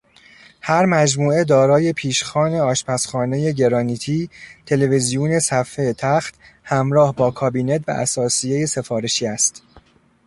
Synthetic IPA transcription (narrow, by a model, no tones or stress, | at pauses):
hæɾmæd͡ʒmuːe̞d̪ɒːɾɒːje̞pʰiːʃxɒːne̞ɒːʃpʰæsxɒːne̞je̞ɟe̞ɾɒːniːt̪ʰiːt̪ʰe̞le̞vezijune̞sæfːejt̪ʰæxt̪ | hæmɾɒːhbɒːkʰɒːbiːne̞t̪̚ʰbæ̰ʔæ̰sɒːsijejese̞fɒːɾe̞ʃiːæst̪